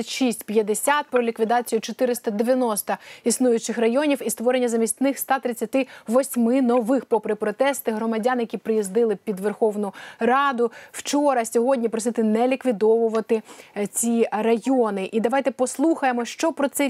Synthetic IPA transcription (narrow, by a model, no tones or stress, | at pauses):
ɐtʲʃisʲtʲpʲjɐd̪esʲat̪̚pɾɔlʲikʋʲid̪ɑt͡sʲijʊt͡ʃɔt̪ɪɾɪst̪ɐd̪eʋʲjɐnɔst̪ɐisnujʊt͡ʃɪxrɐjɔnʲiwist̪ʋɔɾenʲːɐzɐmʲisʲt̪ʲnɪxst̪ɑt̪ɾɪt͡sʲːɐt̪ɪʋɔsʲmɪnɔʋɪxpɔpɾɪpɾɔt̪ɛst̪ɪɦɾɔmɐdʲɑnjɐkʲipɾɪjizd̪ɪlˠɪpʲid̪ʋerxɔʋnʊrɑd̪ʊw̥t͡ʃɔɾɐsʲɔɦɔdʲnʲipɾɔsɪt̪ɪnɛlʲikʋʲid̪ɔʋʊʋɐt̪ɪt͡sʲirɐjɔnɪʔid̪ɐʋɑjt̪ɛpɔslˠuxɐjemɔʃt͡ʃɔpɾɔt̪sɛ